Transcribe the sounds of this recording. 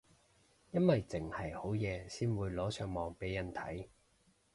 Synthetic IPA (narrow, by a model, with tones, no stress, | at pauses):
jɐ˥nwɐ˨jt͡sɪ˨˩ŋhɐ˨˩jho˨˥wjɛː˨˧siː˥nwuː˨˧jlɔː˨˥sœː˨˧ŋmɔː˨ŋpe˨˥jːɐ˨˩nt̪ʰɐ̰˨˥j